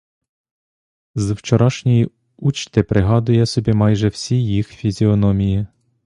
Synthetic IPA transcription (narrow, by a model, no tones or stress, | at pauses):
zwt͡ʃɔɾɑʃnʲɔji | ut͡ʃt̪ɪpɾʔɪɦɑd̪ʊjɛsɔbʲimɑjʒɛwsʲijixfʲizʲiɔnɔmʲiji